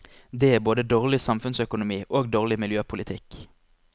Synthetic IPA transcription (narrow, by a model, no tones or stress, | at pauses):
d̪eːæːboːd̪əd̪oːʁlɪsɑmfʉnsœkʊnʊmiːʔoːɡd̪oːʁlɪmɪljøːpʰʊlɪt̪ʰɪk